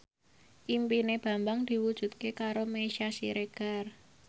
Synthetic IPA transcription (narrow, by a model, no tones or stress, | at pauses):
ʔimpineb̥a̤mbaŋd̪̥i̤wud̥ʒ̥ṳt̪̚kekaɾomeʃasḭɾeɡ̥a̤r